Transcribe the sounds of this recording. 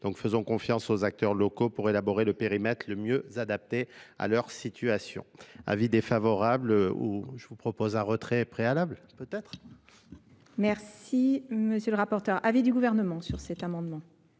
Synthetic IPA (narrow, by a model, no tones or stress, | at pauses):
d̪̥ɔ̃kfəzɔ̃kɔ̃fjɑ̃sozak̚t̪œʁlɔkopuʁelabɔʁeləpeʁimɛt̪χləmjøzad̪ap̚t̪ea̰lœʁsit̪ʰyasjɔ̰̃a̰vid̪efavɔʁablṵʒəvupχɔpozɛ̃ʁət̪χɛpχealablpøt̪ɛt̪χ | mɛʁsiməsjøləʁapɔʁt̪œʁʔavid̪yɡuvɛʁnəmɑ̃syʁsɛt̪amɑ̃d̪mɑ̃